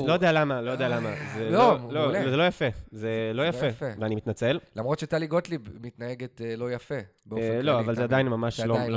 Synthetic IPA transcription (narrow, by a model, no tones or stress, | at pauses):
lojdealamalojd̪ealamazeolozelo̞jafezelo̞jafefeveanimit̪nat͡sellamʁot̪ʃet̪aliɡot̪libmit̪naeɡet̪elo̞jafebelo̞avalzead̪ainmamaʃlol